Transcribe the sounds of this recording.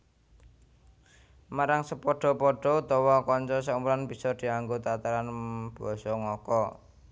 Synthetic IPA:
maɾaŋsəpɔɖ̥ɔ̤pɔɖ̥ɔ̤t̪ɔwɔkɔɲt͡ʃɔs̬aumbulanb̥i̤sɔd̪̥i̤aŋɡot̪at̪aɾanb̥ɔ̤sɔŋɔkɔ

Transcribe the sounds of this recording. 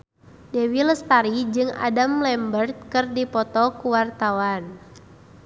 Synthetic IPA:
dewiləst̪aɾid͡ʒɨŋa̰damlɛmbərt̪̚kɨrdipɔt̪ɔkuwart̪awan

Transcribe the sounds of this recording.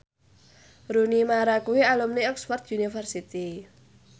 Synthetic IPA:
ɾunimaɾakuwialumniɛksfɔrt̪̚junifərsit̪i

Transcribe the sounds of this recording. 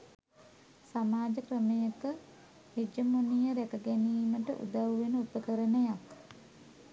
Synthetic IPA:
samaːd͡ʒəkrəmejəkə | hid͡ʒəmonijəɾækəɡeniːməʈə̰ʔṵd̪awʋenəupəkəɾənəjak

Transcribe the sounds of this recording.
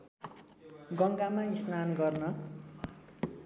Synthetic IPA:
ɡʌŋɡamaisnanɡʌrnʌ

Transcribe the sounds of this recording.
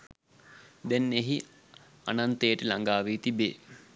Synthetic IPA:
d̪ɛnːeɦi | a̰nant̪ejəʈəlaŋɡaːʋet̪ibeː

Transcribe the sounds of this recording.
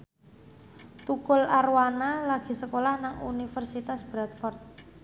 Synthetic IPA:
t̪ukʊlarwanalaɡ̥i̤səkolahnaŋṵnifərsit̪asb̥ɾat̪fɔrt̪̚

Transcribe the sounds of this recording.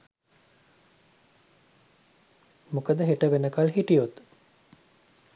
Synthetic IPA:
mukəd̪əɦeʈəʋenəkalɦiʈijot̪

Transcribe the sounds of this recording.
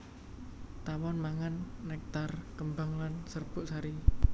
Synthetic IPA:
t̪awɔnmaŋanːɛk̚t̪arkəmbaŋlansərb̥ʊʔsaɾi

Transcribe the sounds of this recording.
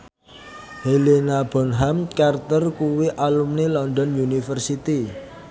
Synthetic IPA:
helenab̥ɔ̤nɦamkart̪ərkuwiʔalumnelɔndɔnjunifərsit̪i

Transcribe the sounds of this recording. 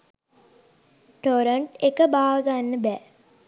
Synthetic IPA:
ʈoɾəɳʈekəbaːʋəɡanːəbæ

